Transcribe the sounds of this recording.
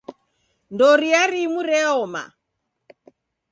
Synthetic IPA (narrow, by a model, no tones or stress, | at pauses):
ndɔɾiaɾimuɾɛɔma̰